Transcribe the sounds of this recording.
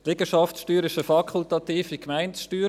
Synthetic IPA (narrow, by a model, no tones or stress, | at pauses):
lɪɡəʃɑftsʃtyːɾɪʃəfɑkʰult̪ɑt̪iːfikmaɪntsʃtyːɾ